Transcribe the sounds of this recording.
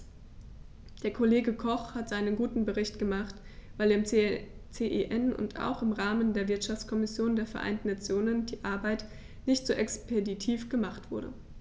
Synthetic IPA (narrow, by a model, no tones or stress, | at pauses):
d̥eːɐkʰoleːɡəkʰɔχhatz̥aɪnənɡuːtn̩bəʁ̞ɪçtɡ̥əmaχt | v̥aɪleɐɪm | t͡seʔeʔɛnʊ̰ntʰa̰ʊxɪmʁaːməndeːɐvɪɐtʃaft͡skʰɔmɪsjoːndeːɐfɛɐʔa̰ɪntn̩nːat͡sjoːnəndiːʔaɐbaɪt | nɪçtz̥oːʔɛkspʰeditʰiːfɡ̥əmaχtv̥ʊɐɾə̰